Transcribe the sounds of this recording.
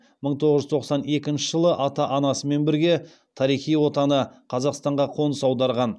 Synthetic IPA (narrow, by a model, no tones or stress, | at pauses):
məɴt̪ʰoʁəʒʏzt̪ʰo̞qsɑne̞kʲɪnʃɪʒəlˠəʔɑt̪ɑʔɑnɑsəme̞nbɪɾɡʲe̞ | t̪ʰɑɾijχijwo̞t̪ɑnəqʰɑzɑqst̪ɑɴʁɑqʰo̞nəsɑwd̪ɑɾʁɑn